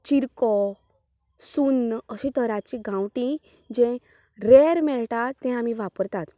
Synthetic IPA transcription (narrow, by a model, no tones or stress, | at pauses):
t͡ɕiɾkɔ | sunəɕĩt̪əɾat͡ɕiɡʱãwʈĩ | d͡ʑɛ̃ | ɾeɾmɛɭʈat̪ːɛ̃amiʋapəɾt̪at̪